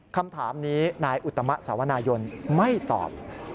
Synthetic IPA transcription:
kʰa˧mt̪ʰa̰ː˩˦mniː˦˥naː˧jʔu˨˩t̪ʰːa˧ma˦˥ʔsaː˩˦wa˧naː˧jo˧nma˥˩jt̪ɔ̰ː˨˩p̚

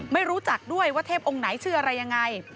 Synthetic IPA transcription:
ma˥˩jɾuː˦˥t͡ɕa˨˩k̚du˥˩əjwaː˥˩t̪ʰeː˥˩p̚ʔo˧ŋna˩˦jt͡ɕʰɯː˥˩ʔa˧ɾa˧jːa˧ŋːa˧j

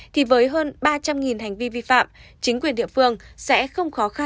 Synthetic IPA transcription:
t̪ʰi˨˩vəː˨˦jɦəː˧nɓaː˧t͡ɕa˧mŋi˨˩nɦa˨˩ŋ̟vi˧vi˧fa̰ː˧˨mt͡ɕï˨˦ŋ̟kwi˨˩ənɗḭ˧˨əfɨ˧əŋsɛ̰˧˥xə˧wŋ͡mxɔ˨˦xa˧

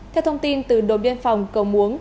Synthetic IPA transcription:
t̪ʰɛ˧wt̪ʰə˧wŋ͡mt̪i˧nt̪ɨ˨˩ɗo̰˧˩ɓɛ˧nfa˨˩wŋ͡mkə˨˧˩wmu˨˦əŋ

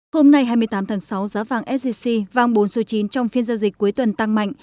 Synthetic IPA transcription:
ho˧mna˧jhɦaː˧jmɨ˧əjt̪aː˨˦mt̪ʰaː˨˦ŋsa˨˦wzaː˨˦vaː˨˩ŋʔɛ˦˥t̚si˧si˧vaː˨˩ŋɓo˨˦nso˨˦t͡ɕi˨˦nt͡ɕɔ˧wŋ͡mfi˧ənzaː˧wzi˨˩k̚ku˨˦əjt̪wə˨˩nt̪a˧ŋma̰˧˨jŋ

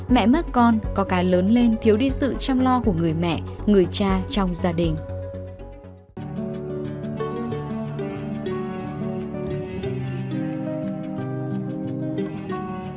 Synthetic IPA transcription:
mɛ̰˧˨mə˦˥t̚kɔ˧nkɔ˨˦kaː˨˦jləː˨˦nle˧nt̪ʰi˨˦əwɗi˧sɨ̰˧˨t͡ɕɔ˧wŋ͡mlɔ˧ku˧˩əŋɨ˨˩əjmɛ̰˧˨ŋɨ˨˩əjt͡ɕaː˧t͡ɕɔ˧wŋ͡mzaː˧ɗï˨˩ŋ̟

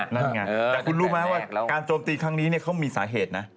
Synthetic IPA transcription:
na˥˩˨ŋa˧t̪ɛː˨˩kʰu˧nɾuː˦˥ma˦˥waː˥˩kaː˧nt͡ɕoː˧mt̪iː˧kʰɾa˦˥ŋniː˦˥ni˥˩ɐkʰa˦˥wmiː˧sa̰ː˩˦ɦeː˨˩t̪̚na˦˥

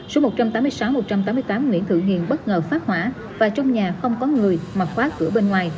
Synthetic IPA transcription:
so˨˦mo˨˩t̚t͡ɕa˧mt̪aː˨˦mɨ˧əjsa˨˦wmo˨˩t̚t͡ɕa˧mt̪aː˨˦m˧əjt̪aː˨˦mŋwḭ˧˥ənt̪ʰɨ̰˧˨ŋḭ˧˨ənɓə˦˥t̚ŋəː˨˩faː˦˥t̚hwa̰ː˧˩˨ | vaː˨˩t͡ɕɔ˧wŋ͡mɲaː˨˩xə˧wŋ͡mkɔ˨˦ŋɨ˨˩əjmaː˨˩t̚xwaː˦˥kɨ̰˧˩əɓe˧nŋwaː˨˩j

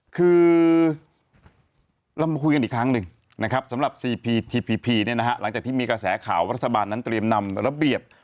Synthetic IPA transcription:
kʰɯː˧ | ɾɔ˧mːa˧kʰu˧jka˧niː˨˩kʰɾa˦˥ŋnɯ˧ŋ | na˦˥kʰa˦˥p̚sa˩˦mɾa˨˩p̚siː˧pʰiː˧t̪ʰiː˧pʰiː˧pʰiː˧ni˥˩na˦˥kʰa˦˥la˩˦ŋt͡ɕa˨˩k̚t̪iː˥˩miː˧kɾa˧sɛː˩˦kʰa̰ː˩˦wɾa˦˥t̪ʰːa˧baː˧nːa˦˥nt̪ɾi˧əmna˧mɾa˧bi˨˩əp̚

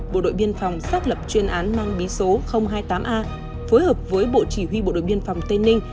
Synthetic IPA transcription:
ɓo̰˧˨ɗo̰˧˨jɓi˧ənfa˨˩wŋ͡msaː˦˥t̚lə˨˩p̚t͡ɕwi˧nʔaː˨˦nmaː˧ŋɓi˨˦so˨˦xə˧wŋ͡mɦaː˧jt̪aː˨˦mʔaː˧ | fo˨˦jhəː˨˩p̚vəː˨˦jɓo̰˧˨t͡ɕi˧˩ɦwi˧o̰˧˨ɗo̰˧˨jɓi˧ənfa˨˩wŋ͡mt̪e˧nːï˧ŋ̟

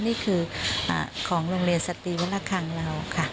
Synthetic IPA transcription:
niː˥˩kʰɯː˧ʔa̰ː˧˩kʰɔː˩˦ŋɾoː˧ŋɾi˧ənsa˧t̪iː˧wa˦˥laː˥˩kʰa˧ŋla˧wkʰa˥˩

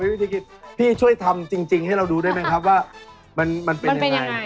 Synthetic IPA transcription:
a˧˦jwi˦˥t̪ʰiː˧ki˨˧˩t̪̚p̪ʰiː˥˩t͡ɕʰu˥˩əjt̪ʰa˧mt͡ɕi˧ŋt͡ɕi˧ŋha˥˩jɾa˧wduː˧da˥˩jma˦˥jkʰɾp̚waː˥˩ | ma˧nma˧npe˧nja˧ŋa˧j

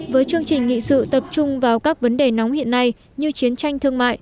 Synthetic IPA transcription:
vəː˨˦jt͡ɕɨ˧əŋt͡ɕï˨˩ŋ̟ŋḭ˧˨sɨ̰˧˨t̪ə˨˩p̚t͡ɕʊ˧ŋ͡mvaː˨˩wkaː˦˥k̚və˨˦nɗe˨˩nɔ˨˦wŋ͡mhḭ˧˨ənːa˧j | ɲɨ˧t͡ɕi˨˦ənt͡ɕa˧jŋt̪ʰɨ˧əŋma̰ː˧˨j

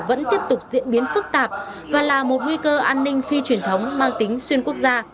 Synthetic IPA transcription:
və̰˧˥nt̪i˦˥əp̚t̪ʊ˨˩k͡p̚zḭ˧˥ənɓi˨˦ənfɨ˦˥k̚t̪aː˨˩p̚ | vaː˨˩laː˨˩mo˨˩t̚ŋwi˧kəː˧ʔaː˧nːï˧ŋ̟fi˧t͡ɕwi˧˩ənt̪ʰə˨˦wŋ͡mmaː˧ŋt̪ï˨˦ŋ̟swi˧ənku˦˥ək̚zaː˧

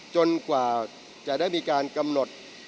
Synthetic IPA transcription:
t͡ɕo˧nkwaː˨˩ | t͡ɕa˨˩ʔdaː˥˩jmiː˧kaː˧nka˧mno˨˩t̪̚

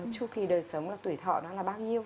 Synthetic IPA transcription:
t͡ɕu˧ki˨˩ɗəː˨˩jsə˨˦wŋ͡mlaː˨˩t̪wi˧˩t̪ʰɔ̰˧˨nɔ˨˦laː˨˩ɓaː˧wɲi˧əw

